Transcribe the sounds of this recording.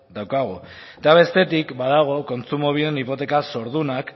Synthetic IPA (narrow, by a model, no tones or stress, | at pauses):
d̪awkaɣ̞o | t̪aβ̞e̞st̪e̞t̪ikbaðaɣ̞o̞ko̞nt͡sumoβ̞ienipo̞t̪e̞kaso̞ɾð̞unak